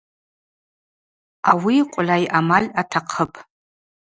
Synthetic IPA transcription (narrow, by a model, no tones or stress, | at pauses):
awiqʷʼlajʔamalʲatʰaqʰəpʼ